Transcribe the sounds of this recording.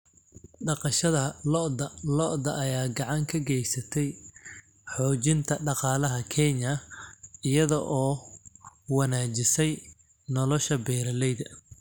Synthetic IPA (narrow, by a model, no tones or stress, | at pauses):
ɖɑqɑʃɐðɐlɔʔdɐlɔʔðɐʔːjaːɡɑʕɑŋkʰɐɡɛjsɐt̪ʰɛj | ħɔːt͡ʃɪnt̪ʰɐɖɑqɑːlɐɦɐkʰɛɲɐ | ɪjɐðɔʔɔː | wɑnaːt͡ʃɪsɛj | nɔlɔʃɐbɛːɾɐlɛjðɐ